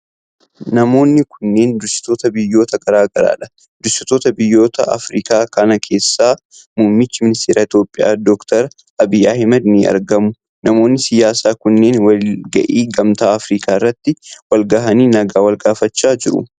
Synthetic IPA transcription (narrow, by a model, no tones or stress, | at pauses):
nɐmo̞ːnːɪkʊnːe̞ːnd̪ʊsɪ̥t̪o̞ːt̪ɐbɪjːo̞ːt̪ɐɡɐɾaːɡɐɾa̰ːᶑɐ̥ | d̪ʊsɪt̪o̞ːt̪ɐbɪjːo̞ːt̪ɐɐ̰fɾiːkaːkɐnɐkʰe̞ːsːaː | mʊːmɪt͡ʃːɪmɪnɪst̪eːɾɐɪt̪jo̞ːpʼːɪja̰ːd̪ɔkt̪ɐɾ | ɐbɪjːaːhɪmɐd̪nɪɐ̰ɾɡɐmʊ | nɐmo̞ːnːɪsɪjaːsaːkʊnːe̞ːnwɐlɡɐ̰ʔiːɡɐmt̪aːɐfɾiːkʰaːɪrːɐt̪ːɪwɐlɡɐɦɐniːnɐɡaːwɐlɡaːfɐt͡ʃːaːd͡ʒɪɾʊ̰